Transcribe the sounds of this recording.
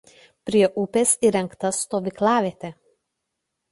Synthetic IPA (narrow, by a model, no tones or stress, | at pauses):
pʲɾʲiɛʔʊpʲesiɾʲɛŋkt̪ɐst̪oːʋʲɪklˠɑːʋʲeːt̪ʲe